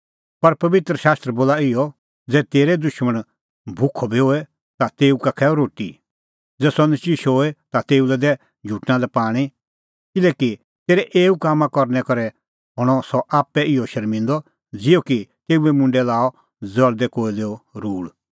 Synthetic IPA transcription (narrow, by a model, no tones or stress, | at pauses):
pɐɾpɐʋɪt̪ɾəʃaːst̪ɾəboːlaɪjɔ | d͡zɛːt̪eːɾɛd̪ʊʃməɽ̃ | bʱʊkʰːɔbʱiɦoːɛ | t̪at̪eːukakʰɛɾoːʈḭ | d͡zɛːsɔ̃nt͡ʃiʃoːɛt̪at̪eːulɛd̪ɛ | d͡ʒʱuːʈnãlɛpaːɽ̃ĩ | kɪlɛki | t̪eːɾɛʔeːukaːmãkɔɾnɛkɐɾɛ | ɦɔɽ̃ɔsɔʔaːpːɛʔɪjɔʃɐɾmɪ̃nd̪ɔ | d͡zɪjɔkit̪eːuɛmʊ̃ɳɖɛlaːɔ | d͡zɐld̪ɛkoːileːɔɾuːɭ